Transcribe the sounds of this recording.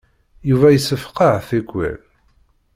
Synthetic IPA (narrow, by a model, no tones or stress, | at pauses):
juvæjəsːəfqɑʕθikʷːæ̰l